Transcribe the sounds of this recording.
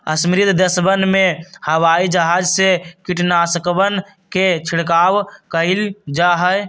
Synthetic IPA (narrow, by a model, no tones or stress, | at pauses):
əsmɾit̪d̪əsbənmehəwaid͡ʒəɦad͡ʒsekiʈnasəkbən | ket͡ʃʰiɽkawkəɪld͡ʒaɦəj